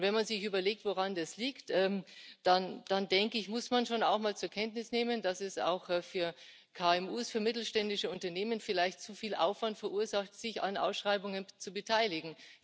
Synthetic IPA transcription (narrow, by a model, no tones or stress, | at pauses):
ʊntvɛnmanzɪçʔyːbɐleːk̚tvoʁandasliːktʔɛmd̥and̥andɛŋkəɪçmʊsmanʃoːna̰ʊxmaːlt͡suːɐkʰɛntnɪsneːməndasɛsa̰ʊxɛfyːɐ | kʰaːɛmuːsfyːɐmɪtl̩ʃtɛndɪʃəʊntɐneːmənfɪlaɪçtt͡sufiːlʔa̰ʊfv̥antfɛɐʔuːɐzaxtz̥ɪça̰nʔa̰ʊsʃʁ̥aɪbʊŋənt͡subətʰaɪlɪɡŋ̩